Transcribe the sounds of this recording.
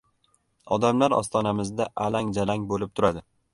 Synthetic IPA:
ɒd̪amlaɾɒ̰st̪ʰɒnamɪzd̪aʔalaŋd͡ʒalaŋbolɪp̚t̪ʰʊɾad̪ɪ

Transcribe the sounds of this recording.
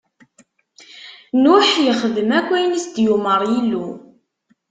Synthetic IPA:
nuħjəχəðəmækʷːæjnisd̪juməɾˤjilːu

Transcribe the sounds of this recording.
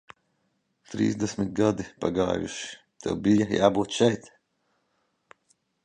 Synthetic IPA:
t̪ɾḭːzd̪ɛsmit̪ɡad̪ipa̰ɡa̰ːjṵʃi̥ | t̪ɛ̰wbijaja̰ːbuːt̪ʃɛjt̪

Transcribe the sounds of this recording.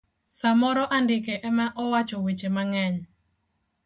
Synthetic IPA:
samɔɾɔʔandɪkɛʔɛmaʔɔwat͡ʃɔwet͡ʃemaŋɛɲ

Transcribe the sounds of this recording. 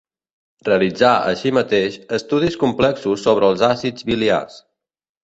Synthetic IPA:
reəlid͡zaə̰ʃimət̪eʃəst̪uð̞iskumplɛksusːoβ̞ɾəːlˠzasid͡zβilia̰s

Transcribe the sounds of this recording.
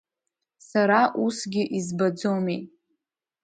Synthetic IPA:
saɾaʔusɡʲɪʔizbad͡zome

